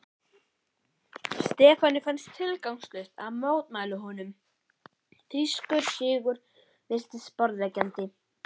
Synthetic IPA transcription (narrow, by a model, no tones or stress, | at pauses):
st̪ɛːfanːɪfɛnst̪ʰːɪlkawŋst̪lœɥhst̪aðmoːwt̪maːjlʏɦɔnʏm | θiskʏɾ̥sɪːɣʏɾ | vɪst̪ɪspɔɾðvɛcant̪ɪ